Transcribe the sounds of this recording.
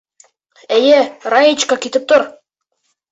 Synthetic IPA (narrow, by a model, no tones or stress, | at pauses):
æjærɑjit͡ɕkɑkit̪ɘp̚t̪oɾ